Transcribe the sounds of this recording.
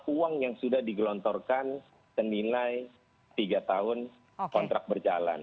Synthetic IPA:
uaŋjaŋsudahdiɡəlɔnt̪ɔrkan | sənilaj | t̪iɡat̪aɦʊn | kɔnt̪ɾak̚bərd͡ʒala̰n

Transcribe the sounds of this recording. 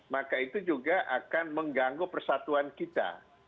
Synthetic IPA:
makait̪ud͡ʒuɡaʔakanməŋɡaŋɡopərsat̪uankit̪a̰

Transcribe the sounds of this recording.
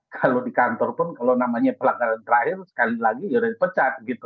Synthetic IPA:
kʰalodikant̪ɔrpʊnkalonamaɲapəlaɡaɾant̪əɾahɪrsə̥kalilaɡiuɾapət͡ʃat̪̚ɡit̪u

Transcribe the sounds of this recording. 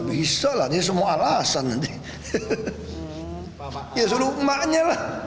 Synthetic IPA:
bisalahdiəs̬əmuaalasandi | iəsuluʔ̚maʔɲəlah

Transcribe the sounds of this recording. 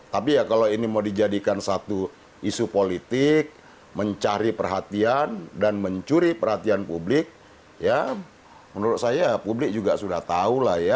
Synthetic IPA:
t̪apijakaloinimaudid͡ʒadikansat̪u | isupolit̪ɪk̚ | məɲt͡ʃaɾipərɦat̪iandanməɲt͡ʃuɾipərhat̪ianpublɪk̚ | ja | mənuɾʊt̪̚sajapublɪk̚d͡ʒuɡasudaht̪aulahja

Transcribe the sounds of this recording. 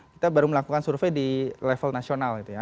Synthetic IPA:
ki̥t̪abaɾuməlakukansurfejdilɛfəlnasionalɡit̪uja

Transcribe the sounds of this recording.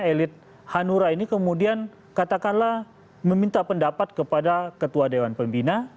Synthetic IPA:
elɪt̪̚ | hanuɾainikəmudian | kat̪akanlah | məmint̪apəndapat̪̚kəpadakət̪uadewanpəmbina

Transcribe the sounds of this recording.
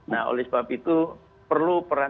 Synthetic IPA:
nao̰lɛsbapit̪u | pərlupəɾa

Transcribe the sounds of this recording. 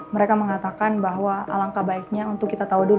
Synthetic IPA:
məɾekaməŋat̪akanbaɦwaa̰laŋkabaik̚ɲaunt̪ʊkːit̪at̪audul

